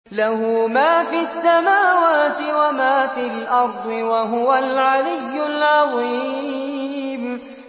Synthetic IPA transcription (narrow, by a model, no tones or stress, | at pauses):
lahʊːmaːfiasːamaːwaːt̪ɪwamaːfiːlʔɑɾˤd̪ˤɨwaɦʊwalʕalɪjːʊlʕɑðˤi | m